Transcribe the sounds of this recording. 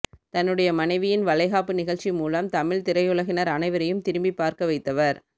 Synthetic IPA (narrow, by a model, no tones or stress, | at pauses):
t̪ɐnːɯɽɐjɐmɐnɐɪʋɪjɪnʋɐlɐɪɣaːpːɯnɪɣɐɭt͡ʃːimuːlɐmt̪ɐmɪɭt̪ɪɾɐɪjɯɭɐɣɪnɐɾɐnɐɪʋɐɾɐjɯmt̪ɪɾɯmbipːaːɾkɐʋɐɪt̪ːɐʋɐɾ